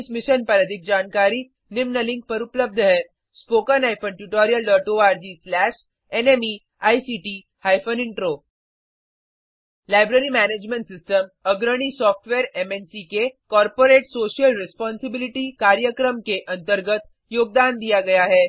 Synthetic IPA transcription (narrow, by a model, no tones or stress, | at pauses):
smiɕənpəɾəd̪ʱik̚d͡ʑaːnkaɾiː | nimnəlĩŋk̚pəɾupləb̚d̪ʱəɦe | spokənajfəɳʈjuʈɔɾijəlɖəɾʈoaɾd͡ʑiːslæɕ | enemi | ajsiʈi | hajfəniɳʈɾo | lajbɾəɾimæned͡ʑmẽɳʈsisʈəməɡɾəɽ̃isɔfʈʋeɾemensikekɔɾpoɾeʈsoɕijəlɾɛspɔnsibiliʈikaɾjəkɾəmkeʔənt̪əɾɡət̪ | joːɡ̚d̪and̪ijaɡɐjaɦe